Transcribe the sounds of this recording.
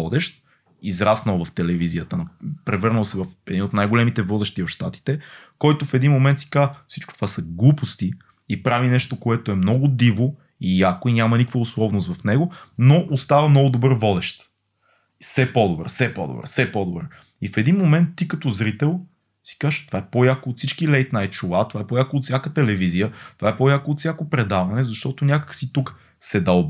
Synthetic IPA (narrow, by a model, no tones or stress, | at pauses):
ɔd̪ɛʃt̪̚ | izɾasnəlˠvɐft̪ɛlɛviziət̪ənpɾɛvɤɾnəlˠsɛvɐfɛd̪inot̪najɡolɛmit̪ɛvɔd̪ɛʃt̪ivɐfʃt̪at̪i̥t̪ɛkɔjt̪ofɛd̪inmomɛnt̪si̥kazfsi̥t͡ʃko̥t̪o̥vasɐɡlˠupost̪i | ipɾavinɛʃt̪okoɛt̪oɛmnɔɡʊd̪ivo | ijakoinʲamɐnikəfəʊslˠɔvnʊst̪vɐfnɛɡonoʔost̪avəmnɔɡʊd̪obəɾvɔd̪ɛʃt̪ | fsɛpɔd̪obɾfsɛpɔ̰d̪o̰bɾ̰fsɛpɔd̪obɾ | ifɛd̪inmomɛnt̪ːikɐt̪ɔzɾit̪ɛlˠ | si̥kaʃt̪ovaɛpojakoot̪sit͡ʃkilɛjt̪najt͡ʃʊlˠat̪ovaɛpojakoːt̪sʲjakət̪ɛlɛvizijət̪ovaɛpojakoːt̪sjakopɾɛd̪avɐnɛzɐʃt̪ɔt̪ʊnʲakə̥ksit̪uk | sɛd̪alˠ